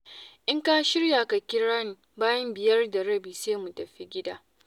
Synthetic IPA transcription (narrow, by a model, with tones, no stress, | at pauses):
ʔɪ˦ŋkaː˦ʃɪ˦ɽja˨ka˨kʲɪ˦ɾaː˦n˨baː˦jɐ˦mbɪ˨jɐ˦rda˨ɾɐ˦biː˨seː˦mu˨tɐ˨ɸi˦ɡʲɪ˦da̰ː˦